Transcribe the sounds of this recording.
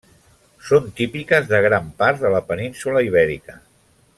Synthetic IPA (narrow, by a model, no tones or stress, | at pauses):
sont̪ipikəzðəɣ̞ɾampaɾt̪ðələpəninsuləiβ̞ɛɾḭkə